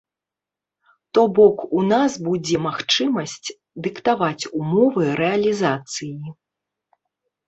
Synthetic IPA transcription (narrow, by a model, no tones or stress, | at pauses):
t̪ɔbɔkunasbud͡zʲɛmaxt͡ʂɨmɐsʲt͡sʲ | d̪ɨkt̪avat͡sʲumɔvɨɾɛɐlʲizat̪sɨji